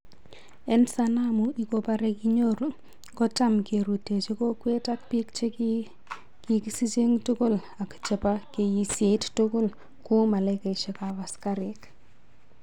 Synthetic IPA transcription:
ɛ˦nsanamui˨kopaɾeki˦ɲo˦ɾ | kɔ˦t͡ʃa˦mke˨ɾu˨te˨t͡ʃeko˦kwe˦ta˦k̚pi˦kt͡ʃe | kiki˦si˦t͡ʃe˦ŋtʊ˦ko˦l | a˨kt͡ʃe˨pa˦ke˨ji˨se˦ttʊ˦ko˦l | ku˦ma˨laka˨iʃe˨kaβa˨skaɾek

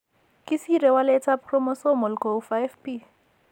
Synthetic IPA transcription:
kʼɪsirɛ˨walɛ˦t͡sʰa˦pʰrɔ˦mɔ˦so˦mɔ˨lkʰo˨ufaɛfpʼi˦

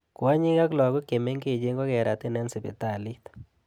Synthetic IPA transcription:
kwa˦ɲi˦ka˦klɔ˨ko˦ke˨me˦ŋɡe˨d͡ʒe˦ŋɡɔ˦kɛ˨ɾa˨t̪e˦nɛ˦nsi˨bḛ˨ta˨li˦t

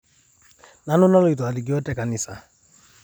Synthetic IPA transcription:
na˨˦nʊ˦nɔ˦lo˨i˨tɔ˨a˨li˨ɡi˦ɔ˦tɛ˦ka˨ni˨sa̰˨

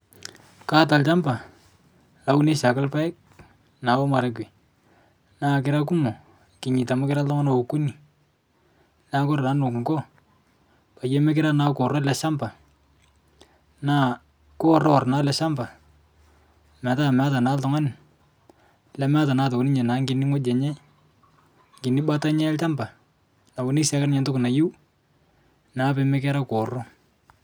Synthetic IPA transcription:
ka˦ta˨lt͡ʃa˦mba˨ | a˨u˦ne˦sa˨ka˦lpa˦jk̚ | na˨o˦ma˨ɾe˦k̬i˨ | naː˦k̬ɪɾa˦k̬u˦mo˨ | kɪ˨ɲi˨ta˨ma˦kɪ˦ɾa˦ltɔ˦ŋa˦no˨u˨ku˦ni˨ | na˦ko˦ɾna˦no˨kŋɡɔ˦ | pa˨je˦me˦k̬ɪ˦ɾa˦na˦ko˨ɾɔ˦lɛ˨sa˦mba˨ | na˦˨ | kɔ˦rɔ˦˨rna˨˦lɛ˨˦ʃa˦mba˨ | ma˨ta˦˨ma˦ta˨na˨˦ltɔ˨ŋa˦nɪ˨ | lɛ˨ma˦ta˨na˦to˨kʊ˨nɪ˦ɲɛ˨na˨˦ŋɡɪ˨ni˦ŋɔ˦d͡ʒɛ˨ɲɛ˦ | ŋɡɪ˨ni˦ɓa˦ta˦ɲɛ˦t͡ʃa˦mba˨ | na˨bo˨˦ni˦sa˨ka˦nɪ˦ɲɛ˨ntʊ˦kʊ˨na˨ju˦ | naː˨pe˨˦mɛ˦kɛ˦ɾa˦kɔ˨rɔ˦

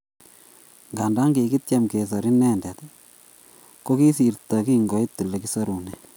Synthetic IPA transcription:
ŋɡa˨nda˦ŋɡe˨ki˦t͡ʃa˦mke˨s̬a˨ɾi˦nɛ˦ndɛ˨t̪ | ko˦ki˦si˨rta˨ki˦ŋɡɔ˨˦i˦t̪ːu˨le˨ki˦sa˦ɾu˨nɛ

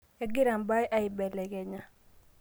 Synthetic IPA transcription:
ɛ˨ɡɪ˦ɾa˨mba˦jʔa˦ɪ˨bɛ˨lɛ˨kɛ˨ɲa˨

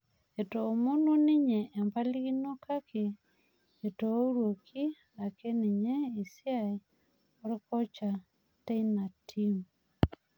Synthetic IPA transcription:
e˨to˨mo˦no˦nɪ˦ɲɛ˨ʔːmpa˦li˦ɣi˦no˦ka˦keː˨ | to˨˦ɾwo˨kʰi˦ | a˨ke˦nɪ˨ɲɛ˦i˨sja˦e˨ | o˦ɾe˦kɔ˦t͡ʃa˨ | ta˦ina˨tʰi˦m

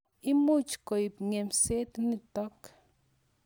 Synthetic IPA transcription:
i˦mu˦t͡ʃko˨i˨pŋe˨mse˦t̪ni˨tɔ˦k

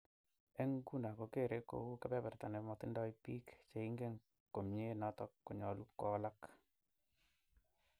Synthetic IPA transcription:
e˦ŋɡu˦nda˨ko˨ke˦˨ɾe˦ko̰˨u˦ke˦pɛ˦bɛ˨ɾta˨ne˨mɔ˨t̪i˦ndɔ˦i˦pi˦kt͡ʃe˨i˦ŋɡe˦ŋ | ko˨mje˦nɔ˦tɔ˦kːo˨ɲɔ˨lu˦kɔ˦la˦k

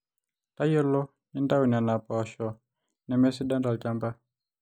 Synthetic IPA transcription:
ta˦jɔ˦lɔ˦ | ni˦nda˦u˨ni˨a˨na˨paʃɔ˨ | nɛ˨mɛ˦si˦da˦nda˨lt͡ʃa˦mba˦

